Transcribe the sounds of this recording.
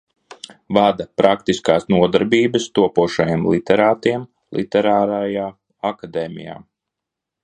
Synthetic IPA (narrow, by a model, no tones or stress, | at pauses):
vad̪apɾakt̪iskaːsnuɔd̪aɾbiːbɨst̪uɔpuɔʃajemlˠit̪ɛɾaːt̪iɛm | lˠḭt̪ɛɾaːɾajaː | akad̪eːmʲḭja̰ː